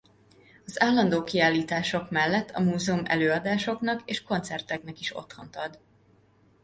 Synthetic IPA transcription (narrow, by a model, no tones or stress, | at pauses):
ɒzaːlːɒnd̪oːkiaːlːiːt̪aːʃo̞kmɛlːɛt̪ʰːɒmuːzɛumɛ̰løːɒd̪aːʃoknɒkeːʃko̞nt̪sɛrt̪ɛknɛkiʃo̞̰t̪ho̞nt̪ɒd̪